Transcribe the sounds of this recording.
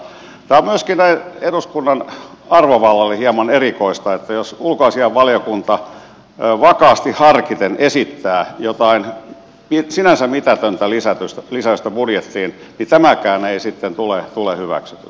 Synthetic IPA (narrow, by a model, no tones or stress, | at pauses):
t̪æːommyøskinnæineduskunːɑnɑrʋoʋɑlːɑlːehiɑmɑnerikoist̪ɑet̪ːæjosulkoɑsiɑʋʋɑljokunt̪ɑ | ʋɑkɑːst̪ihhɑrkit̪enʔesit̪ːæːjot̪ɑin | misinænsæmmit̪æt̪ønt̪ælisæt̪yst̪ælisæyst̪æpudjet̪ːiːn | nit̪æmækæːneisit̪ːent̪ulet̪ulehyʋæ̰ksy̥t̪y̰